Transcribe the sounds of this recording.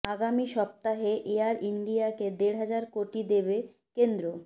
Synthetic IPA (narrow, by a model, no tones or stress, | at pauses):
aɡamiʃɔp̚t̪aɦeʔeaɾiɳɖijaked̪eɽɦad͡ʑaɾkoʈid̪eβe | kend̪ɾo